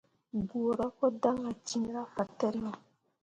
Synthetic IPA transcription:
bu˨ɾa˦kɔ˦da˦ŋa˨t͡ʃi˦ɾa˦fa˨tɛ˦ɾi˦jɔ˦

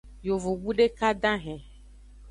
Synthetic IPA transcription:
jo˨vo˨wu˦ɖe˦ka˦ɖã˦ɦɛ̃˨

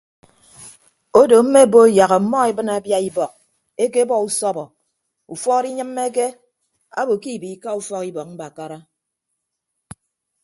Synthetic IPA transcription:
o˦do˨m̩˦me˦˨bo˦ja˨ɣə˨m̩˦mɔ˦e˦bɨ˦na˨˦bja˦i˦bɔ˨k̚ | e˦ke˦bɔ˦u˨sɔ˦bɔ˨ | u˨fɔ˦ɾi˦ɲɨ˦mːe˦k̬e˦ | a̰˦bo˨ki˦˨bi˨˦ka˦u˦fɔ˦ki˦bɔ˨k̚m̩˦ba˨ka˦ɾa˦

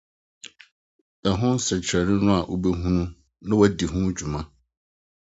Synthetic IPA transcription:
ɛ˨ɦʊ̃˦n˦sɛ˨t͡ɕʰɾɛ˨nɪ̃˦nʊ̃˦a˨ʔo˦be˦ɦũ˦nũ˦ | nã˦wɛ˦di˨ɦʊ̃˦d͡ʑᶣu˨mã˦

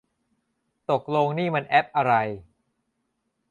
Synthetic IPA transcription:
t̪o˨˩k̚loː˧ŋniː˥˩ma˧nʔɛ˦˥p̚ʔa˧ɾa˧j

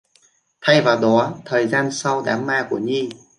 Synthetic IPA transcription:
t̪ʰa˧jvaː˨˩wɗɔ˨˦t̪ʰəː˨˩jzaː˧nsa˧wɗaː˨˦mːaː˧ku˧˩əɲi˧

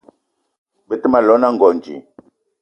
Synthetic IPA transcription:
bə˦tə˦ma˨lɔ˨˦na˦ŋɡɔ˨nd͡ʒḭ˨

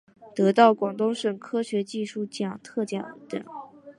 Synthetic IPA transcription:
t̪ɤ˧˥t̪ɑ˥˩ʊkwɑ˨˩ŋt̪ʊ˥ŋʂə˨˩ŋkʰɤ˥ɕɥɛ˧˥t͡ɕi˥˧ʂu˥˩t͡ɕi˥˩ɑ˨˩ŋt̪ʰɤ˥˧t͡ɕjɛ̰˥˩nə˧˥t̪ə̰˥˨˩

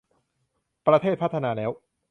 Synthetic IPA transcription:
pɾa˧t̪ʰeː˥˩t̪̚pa˦˥t̪ʰːa˧naː˧˩lɛː˦˥w

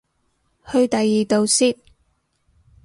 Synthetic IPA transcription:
hɵ˧ɥt̪ɐ˨jːiː˨˩t̪o˨wsiː˥t̚

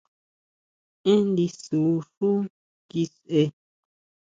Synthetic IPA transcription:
ẽ˦nd̪i˧su˨˦ʂu˦ | ki˧sʔe˧

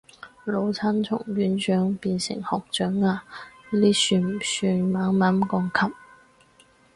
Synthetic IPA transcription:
lo˨˧˥wt͡sʰa˥nt͡sʰʊ̰˨˩ŋɥyː˨˥nt͡ʃœː˨˥ŋpiː˧nsɪ̰˨˩ŋhɔː˨˩k̚t͡ʃœː˨˥ŋaː˧˥liː˥syː˧nm˨˩syː˧nmaː˨˥ŋmaː˨˥mkɔː˧ŋkʰɐ˥p̚

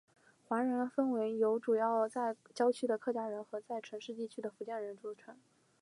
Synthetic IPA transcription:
xwa˧˥ɻə˧˥nfə˥nwe˧˥ɪjo˧˥ʊʈ͡ʂu˨˩jɑ˥˩ʊt͡sa˥˩ɪt͡ɕjɑ˥ʊt͡ɕʰy˥˩d̪ə˩kʰɤ˥˩t͡ɕja˥ɻə˧˥nxɤ˧˥t͡sa˥˩ɪʈ͡ʂʰɤ˧˥ŋʂɻ̩˥˧t͡ɕi˥˩t͡ɕʰy˥d̪ə˨fu˧˥t͡ɕjɛ˥˩nɻə˧˥nʈ͡ʂu˧˥˩ʈ͡ʂʰə˧˥n

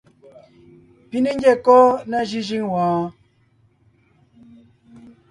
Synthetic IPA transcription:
pi˦ne˦ŋ˦ɡɛ˦˨kɔ˦na˦ʒi˦ʒi˦ŋwãː˨

